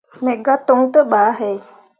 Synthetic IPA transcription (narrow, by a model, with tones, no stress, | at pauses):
ne˨ɡat̪ɔŋt̪əɓaː˨ɦe˨j